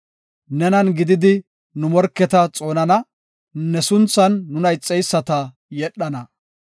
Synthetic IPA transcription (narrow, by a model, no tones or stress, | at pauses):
nɛnɐnɡɪd̪ɪd̪ɪ | nʊmɔɾkːɛt̪ɐt͡sʼo̞ːnɐnɐ | nɛsʊnt͡sːɐnːʊnɐjt͡sʼːɛjsːɐt̪ɐ | jɛɗːɐnɐ